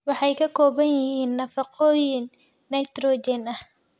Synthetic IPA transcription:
wɑħɑjkʰɐkʰɔːβɐnjɪhiːnːɐfɑqʰɔːjɪnː | ɐjt̪rɔd͡ʒɛnɐh

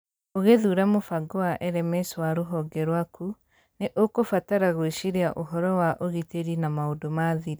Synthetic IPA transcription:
oɣeðuɾamofaɡoaʔɛɾɛmɛswaɾoɦɔɡɛɾwaku | neʔokofataɾaɣoeʃiɾeaʔoɦɔɾɔwaʔoɣiteɾinamaodomaðiɾi

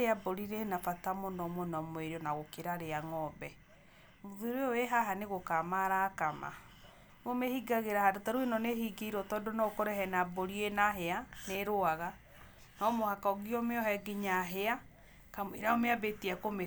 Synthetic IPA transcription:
eaboɾiɾenafatamonɔmonɔmweɾeɔnaɣokeɾaɾeaŋɔbɛ | moðuɾeɔweɦaɦaneɣokamaɾakama̰ | omehiɡaɣeɾahadotaɾwenɔnehiɡeiɾɔtɔːdonɔkoɾeɦɛnaboɾienaɦeaneɾoaɣa | nɔmohakaoɡiɔmeɔɦɛɡiɲaɦea | kamwḭɾaomeabetiakome

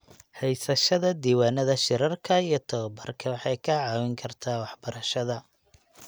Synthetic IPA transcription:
hɛjsɐʃɐðɐd̪iːwaːnɐðɐʃɪɾɐrkʰɐijɞt̪ʰɐβɐbɐ̰rkʰɐwɑħɑjkʰɐʕɑːwɪŋkʰɐrt̪ʰaːwɑħbɐɾɐʃɐðɐ

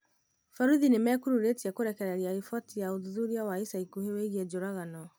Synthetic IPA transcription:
faɾuðinemɛkuɾuɾetiɛkoɾɛkɛɾɛɾiaifɔtijaoðuðuɾiawaisaikuheweɣiɛd͡ʒoɾaɣanɔ

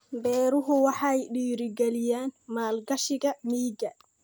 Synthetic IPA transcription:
bɛːɾʊɦʊwɑħɑjɖiːɾɪɡɛlɪjaːnmaːlɡɐʃɪɣɐmiːɡɐ

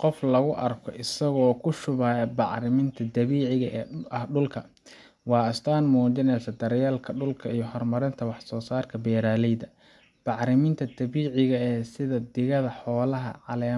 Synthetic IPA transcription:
qɔflɐɣʊʔɐrkʰɔʔɪsɐɣɔːkʰʊʃʊβaːjɐbɑʕɾɪmɪnt̪ʰɐd̪ɐβiːʕɪɣɐʔʔɐhɖʊlkʰɐ | wɑːɐst̪ʰaːnmuːt͡ʃɪnɛjsɐd̪ɐɾjaːlkʰɐɖʊlkʰɐijɞhɔrmɐɾɪnt̪ʰɐwɑħsɔːsaːrkʰɐbɛːɾaːlɛjd̪ɐ | b̥ɑʕɾɪmɪnt̪ʰɐd̪̥ɐβiːʕɪɣɐɛːsɪðɐd̪ɪɣɐðɐħɔːlɐɦɐ̰ʕɑlɛː

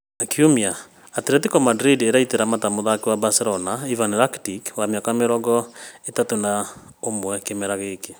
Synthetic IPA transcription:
nakʰiomja | ateɾetikɔmadɾideɾaiteɾamatamoðakewabaseɾɔnaivanɾaktikwamjakameɾɔɡɔetatona | omwɛkemɛɾaɣeke

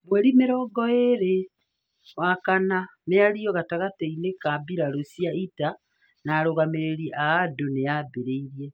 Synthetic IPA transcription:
mwɛɾimeɾɔːɡɔeɾe | wakanameaɾiɔɣataɣateinekabiɾaɾosiaita | naɾoɣameɾeɾiʔaadonejabeɾeiɾiɛ

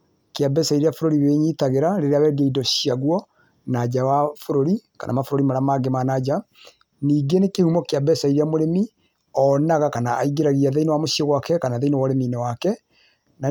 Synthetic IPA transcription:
keabɛsaiɾeafoɾoɾiweɲitaɣeɾaɾeɾeawɛdiaidɔɕiaɣwɔ | nad͡ʑawafoɾoɾika̰nʔa̰mafoɾoɾimaɾamaɡemanad͡ʑa | niːɡenekehumɔkeabɛsaiɾeamoɾemi | ɔnaɣakanaaiɡeɾaɣiaðeinewamoɕieɣwakɛkanaðeinewaɾeminɛwakɛ | na

